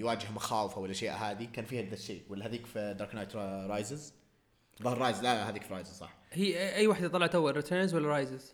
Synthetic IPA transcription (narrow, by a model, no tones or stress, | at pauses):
jwaːd͡ʒɪhmaxaːwɪfawɪlʔaʃjaːʔɦaːðikaːnfiːhaðaʃːḛːwɪlːhaðiːkfid̪ɑɾknajt̪ɾˤɑːjzɪz | ðˤɑːɾˤɑːjzlahaðiːkfɾˤɑːjzzsˤɑ̰ħhiːʔʔajːwaːħd̪at̪ˤɑlɑʕɑt̪ʔawːalɾɪt̪ʰəːnzwalːaɾˤɑjzɪz̥